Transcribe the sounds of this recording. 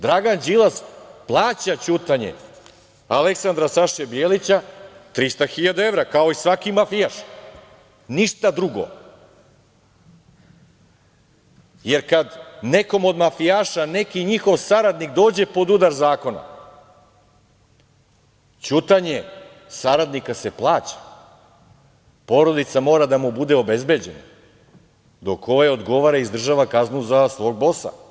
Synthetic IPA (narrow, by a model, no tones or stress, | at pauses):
d̪ɾaɡand͡ʒilˠasplˠaːt͡ɕat͡ɕut̪aɲḛ | ale̞ksand̪ɾasaʃebjeːlit͡ɕat̪ɾist̪axiʎad̪ae̞vɾakao̞isʋakimafijaʃ | niʃt̪ad̪ɾuɡo̰ | je̞ɾkad̪ne̞ko̞mo̞d̪mafijaːʃane̞kiɲixo̞ʋsaɾad̪nikd̪o̞ːd͡ʑe̞po̞d̪ud̪aɾzaːko̞na̰ | t͡ɕut̪aɲe̞ | saɾad̪nikase̞plˠaːt͡ɕḁ | po̞ɾo̞d̪it̪samo̞ːɾad̪amubud̪eobe̞zbe̞d͡ʑe̞na̰ | d̪o̞kʰo̞ʋajo̞d̪ɡo̞ʋaɾaizd̪r̩ʒaʋakaznuzasʋo̞ːɡ̚bo̞sa̰